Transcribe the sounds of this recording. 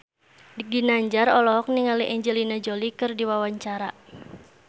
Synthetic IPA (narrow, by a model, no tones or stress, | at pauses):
diɡinaɲd͡ʒaɾɔlɔɦɔk̚niŋaliʔɛɲd͡ʒɛlinad͡ʒolikɨrdiwawaɲt͡ʃaɾa